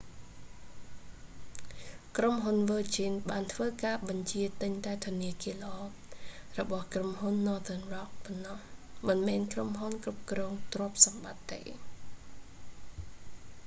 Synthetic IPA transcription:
kromɦunʋəːt͡ɕinɓaːnt̪ʰʋəːkaːɓɑɲt͡ɕiət̪ɨɲt̪aɛt̪ʰʊ̆əniəkiələʔɔːrɔɓɑhkromɦunːɔːt̪ənrɑk̚pɔnːɑhmɨnmɛːnkromɦunkrup̚krɔːŋt̪roəp̚sɑmɓat̪ːḛː

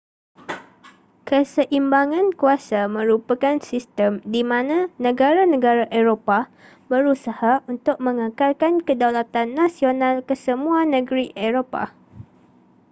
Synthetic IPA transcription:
kəsəʔimbaŋãnkuasamə̃ɾupakansist̪əmdimãnãnə̃ɡaɾanə̃ɡaɾaʔeɾopa | bəɾusahaunt̪ʊk̚mə̃ŋəkalkankədalat̪anːãsionãlkəsəmũanə̃ɡɾiʔeɾopa̰

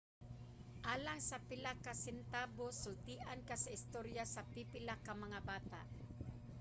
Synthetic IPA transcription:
ʔaːlaŋsapɪlakːasɪnt̪aːbosʊlt̪iːʔankasaʔɪst̪oɾjasapipɪlakːamɐŋabaːt̪a̰ʔ

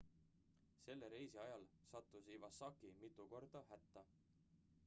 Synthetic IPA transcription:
se̞lːeɾe̞jsiɑjɑlsɑt̪ˑːusivɑsɑkːimit̪ːˑuko̞rd̪̥ɑɦæt̪ːɑ

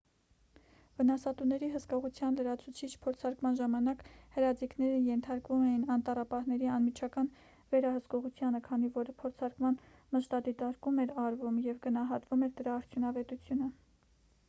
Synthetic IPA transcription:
vənɑsɑt̪unɛɾiɦəskɔʁut͡sʰjɑnləɾɑt͡sʰut͡sʰit͡ʃʰpʰɔɾt͡sʰɑɾkmɑnʒɑmɑnɑkhəɾɑd͡ziknɛɾəjɛnt̪ʰɑɾkvumɛjinɑnt̪ɑrɑpɑhnɛɾiɑnmit͡ʃʰɑkɑn | vɛɾɑhəskɔʁut͡sʰjɑnəkʰɑnivɔɾpʰɔɾt͡sʰɑɾkmɑn | məʃt̪ɑd̪it̪ɑɾkumɛɾɑɾvumjɛvɡənɑɦɑt̪vumɛɾd̪əɾɑːɾt͡sʰjunɑvɛt̪ut͡sʰjunə

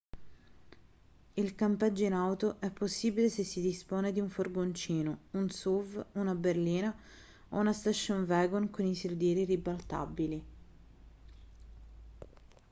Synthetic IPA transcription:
ilkampɛd͡ʒːoinawt̪oʔɛpːosːiːbilesesːid̪ispoːned̪iuɱforɡont͡ʃiːnounsuvunaberliːna | o̰unast̪aʃːonvɛːɡonkoniseld̪jɛːɾiribalt̪a̰bili

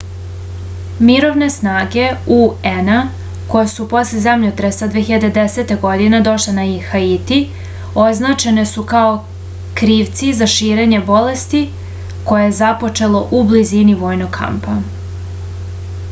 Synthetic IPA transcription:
miɾo̞ʋne̞snaːɡe̞uena | ko̞jesupo̞slezemʎet̪ɾesad̪ʋeçiʎad̪ed̪ese̞t̪eɡo̞d̪ined̪o̞ʃle̞naixait̪i | o̞znaːt͡ʃe̞ne̞sukao̞ | kɾiːʋt̪sizaʃiːɾe̞ɲe̞bo̞le̞st̪i | ko̞jejezapo̞t͡ʃe̞lo̞ʔubliziniʋo̞ːjno̞ɡkːʰa̰mpa

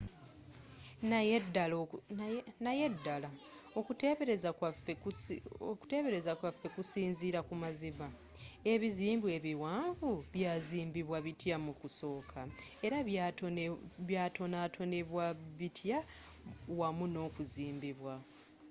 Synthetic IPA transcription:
najedal | najedːala | okuteβeɾezakwafeoku̥te̞ːβe̞ɾe̞zakwafːe̞kusiːnziːɾakumaziβa | e̞βiziːmbwe̞βiwaːɱvuβjaːziːmbiβwaβitjamukuso̞ːkʰae̞ɾa | βjaːtʰo̞naːtʰo̞ne̞βwaβitʰja | wamuno̞ːkuziːmbiβwa

